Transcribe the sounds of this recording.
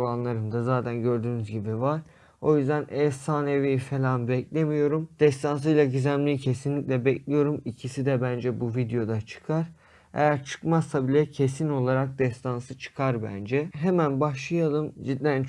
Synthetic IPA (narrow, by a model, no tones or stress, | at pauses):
anlˠaɾɯmd̪azaːt̪ʰænɟø̞ɾd̪yːnyzɟibivaɾ̥ | o̞jyzd̪ænɛsaːnevifelʲanbɛclʲe̞mijo̞ɾumd̪̥ɛst̪ʰans̬ɯjlˠaɟyzæmlʲijicʰe̞sinlʲicʲlʲɛbɛclʲijo̞ɾumicʰisid̪ɛbænd͡ʒɛbuvid̪ejo̞d̪at͡ʃʰɯ̥kʰaɾ̥ | ḛjæɾt͡ʃʰɯ̥kmasabilʲɛcʰe̞sino̞lˠaɾak̚d̪ɛst̪ʰansɯt͡ʃʰɯ̥kʰaɾbæ̰nd͡ʒɛɦemænbaʃlˠɯjalˠɯmzid̪ːæn